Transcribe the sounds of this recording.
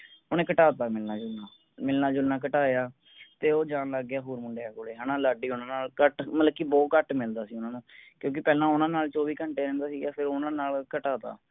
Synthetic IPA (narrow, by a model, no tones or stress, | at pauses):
ʊnẽːkəʈaːt̪aːmɪlnãːd͡ʒʊlnãː | mɪlnãːd͡ʒʊlnãːk̬əʈaːjaː | t̪eːoːd͡ʒãːnləɡːjaːɦuːɾmʊɳɖeaːkoːleːɦaːnãːlaːɖiːʊnãːnaːlkəʈmələkiːbɔːkəʈmɪld̪aːsiːʊnãːnũːkjõːk̬ɪpɛːlãːʊnãːnaːlt͡ʃoːʋiːkəɳʈeːɾɛ̃ːnd̪aːsiːɡaːpʰɪɾʊnãːnaːlkəʈaːt̪a̰ː